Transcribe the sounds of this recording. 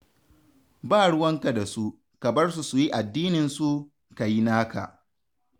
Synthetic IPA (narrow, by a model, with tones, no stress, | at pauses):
baː˦˨ɽʊ˦wɐ˦ŋka˨da˨su˦ | kɐ˨bɐ˦rsu˨su˨ji˦ʔa˨dːiː˦nɪ˨nsu˦ | ka˨ji˦naː˦ka̰˨ʔ